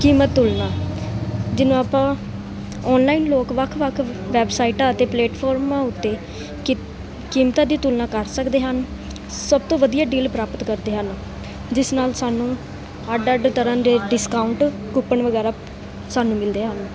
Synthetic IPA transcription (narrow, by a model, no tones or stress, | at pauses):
kiːmət̪ːʊlnaː | d͡ʒɪnõːaːpãː | ɔːnlaːiːnloːkʋəkʰʋəkʰʋɛːbsaːiːʈaːət̪eːpleːʈpʰɔːɾmaʊt̪ːeː | kiːmt̪ãːd̪iːt̪ʊlnaːkəɾsəkd̪eːɦən | səb̚t̪õːʋəd̪ijaːɖiːlpɾaːpət̪kəɾd̪eːɦən | d͡ʒɪsnaːlsaːnũː | aɖəɖt̪əɾãːd̪eːɖɪskaːʊɳʈ | kʊpəɳʋəɡɛːɾaː | saːnũːmɪld̪eːɦən